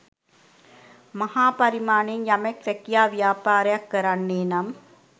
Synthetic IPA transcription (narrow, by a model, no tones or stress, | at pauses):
mɐhaːpɐɾimaːneŋjameksɛkijaːʋjaːpaːɾɐjakːɐɾanːeːnam